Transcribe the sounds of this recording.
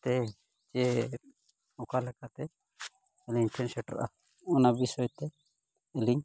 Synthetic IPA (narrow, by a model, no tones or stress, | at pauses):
t̪ɛ | t͡ʃɛ | ɔkalɛkat̪ɛ | ɛliʈʰɛnsɛʈɾa̰ʔa̰ | ɔnabisɔjt̪ɛ | ɛliɲ